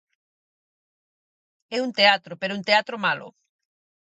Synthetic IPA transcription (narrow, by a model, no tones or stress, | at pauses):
ɛunt̪eat̪ɾopeɾount̪eat̪ɾomalʊ̰